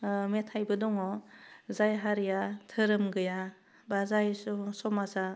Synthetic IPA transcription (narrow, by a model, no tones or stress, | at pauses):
metʰajbɯdɔŋɔzajɦaɾijatʰɯɾɯmɡɯja | bazajsusɔmasa